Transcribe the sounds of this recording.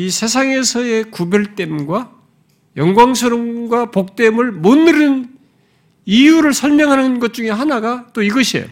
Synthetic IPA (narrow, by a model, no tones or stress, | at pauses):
isʰe̞sʰaŋe̞sʰʌe̞kubjʌɭt͈e̞mɡwa | jʌŋɡwaŋsʰɯɾʌmɡwapok̚t͈e̞mɯɭmonɯɾɯn | ijuɾɯɭsʰʌɭmjʌŋɦanɯnɡʌt̚t͡ɕ͈uŋe̞ɦanaɡat͈oiɡʌɕʰiḛo̰